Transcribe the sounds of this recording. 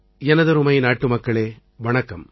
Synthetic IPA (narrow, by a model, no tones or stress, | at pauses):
ɛnɐðɐɾɯmɐjnaːʈːɯmɐkːɐɭeː | ʋɐɳɐkːɐm